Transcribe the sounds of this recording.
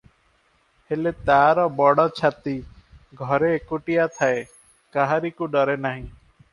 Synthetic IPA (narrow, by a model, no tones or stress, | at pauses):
helet̪aɾɔbɔɽɔt͡ʃʰat̪iɡʱɔɾeːkuʈijat̪ʰae | kaɦaɾikuɖɔɾenaɦĩ